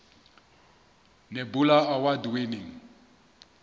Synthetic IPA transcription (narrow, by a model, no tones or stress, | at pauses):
nebulaawadweniŋ̩